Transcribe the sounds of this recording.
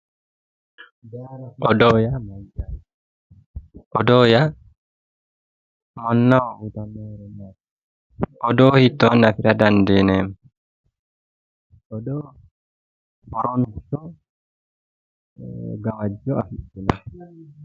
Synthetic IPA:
ɔdɔjamaa | ɔdɔja | mɔnːaʔut̪amɛna | ɔdɔhit̪ːɔnafiɾadandɛnɛm | ɔdɔ | ɔɾɔntɔ | ɡawad͡ʒːɔafiɗɛna

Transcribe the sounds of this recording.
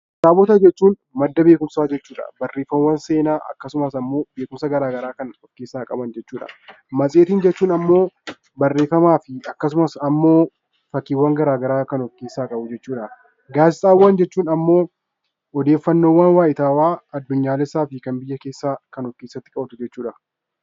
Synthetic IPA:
saːbɔt̪ɐd͡ʒɛt͡ʃːuːn | mɐd̪ːɐbe̞ːkʊmsaːd͡ʒɛt͡ʃːuːᶑɐ̰bɐrːe̞ːfːɐmwːɐnse̞ːnaːʔɐ̰kːɐsʊmɐsɐmːo̞ːbe̞ːkʊmsɐɡɐɾaːɡɐɾaːkɐnɔkːeːsːaːkʼɐbɐnd͡ʒɛt͡ʃːuːᶑɐ̰ | mɐsʼeːt̪iːnd͡ʒɛt͡ʃːuːnɐmːo̞ː | bɐrːeːfːɐmaːfɪɐkːɐsʊmɐsɐmːo̞ː | fɐkːiːwːɐŋɡɐɾaːɡɐɾaːkɐnɔkːeːsːaːkʼɐbʊd͡ʒɛt͡ʃːuːᶑɐ | ɡaːsɪsʼaːwːaːnd͡ʒɛt͡ʃːuːnɐmːo̞ː | ɔd̪e̞ːfːɐnːoːwɐnwaːjɪt̪aːwaːɐd̪ːʊɲːaːlɪsaːfɪkɐnbɪjːɐke̞ːsːaːkɐnɔkːeːsːɐt̪ːɪ̥kʼɐbt̪ʊd͡ʒɛt͡ʃːuːᶑɐ

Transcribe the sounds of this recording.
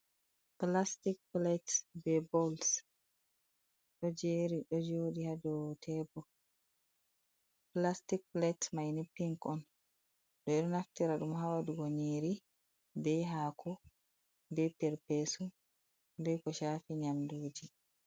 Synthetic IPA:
plastik̚plɛtbɛbɔls | ɗɔd͡ʒeːɾiɗɔd͡ʒoːɗihadɔtʰɛbɔ | plastik̚plɛtmajnipːiŋkɔn | ɗɔɛɗɔnaftiɾaɗumhawaduɡoɲiːɾi | bɛɦakʰɔ | bɛpɛɾpesu | bɛkɔʃafiɲamduːd͡ʒi

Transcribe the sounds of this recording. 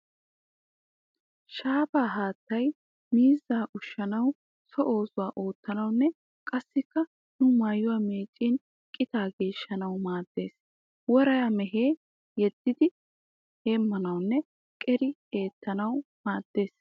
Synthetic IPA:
ʃaːbaːɦaːt̪ːɐj | miːzːaːʔʊʃːɐnɐw | sɔʔo̞ːsʊwaːʔoːt̪ːɐnɐwnːɛ | kʼɐsːɪkːɐ | nʊmaːjːʊwame̞ːt͡ʃʼːin | kʼɪt̪aːɡe̞ːʃːɐnɐwmaːd̪̥ːe̞ːs | wɔɾɐjamɛɦeː | jɛd̪̥ːɪd̪ɪ | heːmːɐnɐwnːɛ | kʼɛɾɪeːt̪ːɐnɐwmaːd̪̥ːe̞ːs

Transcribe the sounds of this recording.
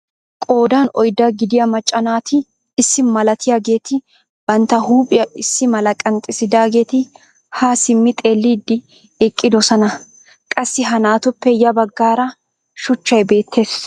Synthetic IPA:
kʼo̞ːd̪aːnɔjd̪ɐɡɪd̪ɪjɐmɐt͡ʃʼːɐnaːt̪ɪː | sːɪmɐlɐt̪ɪjaːɡe̞ːt̪ɪ | b̥ɐnt̪ːɐhuːpʼɪjɐʔɪsːɪmɐlɐkʼɐnt̪ʼɪsɪd̪aːɡe̞ːt̪ɪ | hasɪmːɪt̪ʼe̞ːlːiːd̪ːɪ | ɛkʼːɪd̪ɔsɐnɐ | kʼɐsːɪɦɐnaːt̪ʊpːɛjɐbɐɡːaːɾɐ | ʃʊt͡ʃːɐjbe̞ːt̪ːe̞ːs

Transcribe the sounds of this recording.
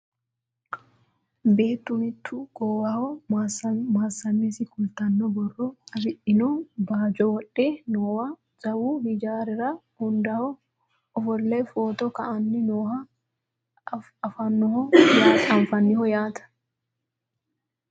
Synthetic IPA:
be̞ːt̪ːʊmɪt̪ʰːʊɡ̥ɔwahɔ | maːsːɐnːɛsɪkʊlt̪ɐnːɔbɔrːɔɐfɪʔɪnɔbaːd͡ʒɔwɔᶑːeːnoːwɐ | z̥ɐwuːhɪd͡ʒaːɾɪɾɐ | hʊnd̪ɐhɔ | ɔfɔɾlefo̞ːt̪ɔkɐʔɐnːɪnoːɦɐ | ɐfɐnːɔhɔlaːkʼɐɱfɐnːɪhɔjaːt̪ɐ̥

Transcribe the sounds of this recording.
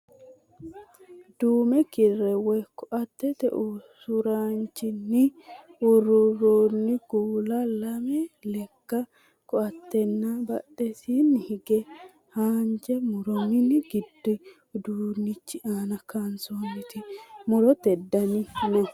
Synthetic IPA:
d̪uːmɛkɪrːɛwɔjkɔʔɐt̪ːɛt̪ɛ̰ʔusʊɾaːnt͡ʃːɪnːɪʊrʊɾoːnːɪɡuːlɐlɐmɛlɛkːɐ | kɔɐt̪ːɛnːabɐ̰ɗːɛsinːɪhɪɡɛ | haːnd͡ʒɛmʊɾɔmɪnːɪɡɪd̪ːɪ | d̪uːnːɪt͡ʃːɪʔaːnɐkɐnsoːnːɪt̪ɪmʊɾɔt̪ɛd̪ːɐnɪnɔ

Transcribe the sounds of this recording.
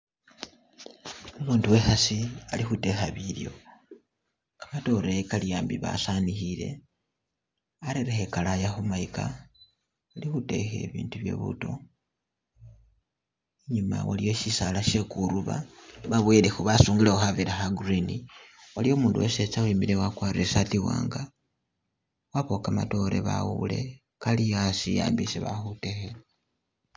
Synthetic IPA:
umuːnduwe̞xasialixute̞xaβiljo̞̰ | kḁmato̞ɾeekalijaːmbiβa̰sanixile̞̰ | aɾeɾexekalajaxumaika̰ | alixute̞̰xe̞̰βḭːntuβje̞̰βṵto̞̰ | eɲuma̰walijo̞ʃisalaʃe̞kuɾuβa̰βaβwelexuβasuːŋɡileoxaβiɾaxaɡuriniwalijomuːnduweset͡sawiːmiɾewakwaːriresatiwa̰ːŋɡa | waβo̞kama̰to̞ɾḛβa̰wule̞̰ | kalijasija̰ːmbiseβa̰xute̞xe

